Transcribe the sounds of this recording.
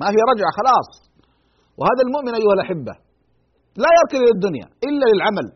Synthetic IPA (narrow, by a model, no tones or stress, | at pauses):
mahɪjɾˤɑd͡ʒʕaxɑlɑːsˤ | wɪhaːðalmʊʔmɪnʔajːʊhalʔaħɪbːa̰ | lajɑɾˤkɪllɪd̪ːʊnja̰ʔɪlːalɪlʕamal